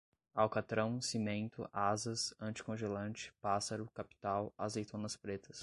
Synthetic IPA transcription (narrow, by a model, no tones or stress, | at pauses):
awkat̪ɾɐ̃w̃simẽnt̪ʊ̰ʔazɐsɐ̃nt͡ʃɪ̥kõʒelɐ̃nt͡ʃɪ̥pasɐɾʊkapi̥t̪awa̰zejt̪ʰõnɐspɾet̪ɐs